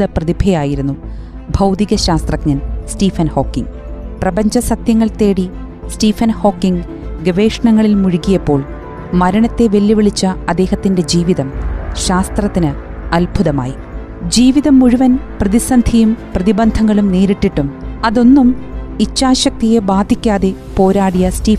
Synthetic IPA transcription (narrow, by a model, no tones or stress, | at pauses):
ðɐprɐðibʱejaːjiɾunːu | bʱɐwd̪iɣɐɕaːst̪rɐkɲɐnsʈiːfɐnho̞ːkːḭŋ | prɐbɐɲd͡ʑɐsɐt̪jɐŋːɐɭt̪e̞ːɽi | stiːfɐnho̞ːkːiŋ | ɡeʋe̞ːʂɐɳɐŋːɐɭilmuɻukijɐpːo̞ːɭ | mɐɾɐɳɐt̪ːe̞ʋelːiʋiɭit͡ɕːɐɐd̪ːe̞ːhɐt̪ːinde̞d͡ʑiːʋiðɐmɕaːst̪rɐt̪ːinɨ | ɐlbʱuðɐma̰ːji | d͡ʑiːʋiðɐmːuɻuʋɐnprɐðisɐnd̪ʱijumprɐðibɐnd̪ʱɐŋːɐɭumneːɾiʈːiʈːumɐðo̞nːumit͡ɕːaːɕɐk̚t̪ije̞baːd̪ʱikʲːaːðe̞po̞ːɾaːɽijɐstiːfn